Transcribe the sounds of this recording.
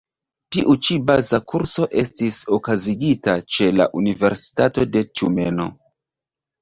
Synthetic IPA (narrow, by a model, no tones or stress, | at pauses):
tiʔut͡ʃibazakuɾso̞ʔe̞stiso̞kaziɡitat͡ʃe̞la̰ʔunive̞ɾsi̥tato̞de̞t͡ʃumeno̞̰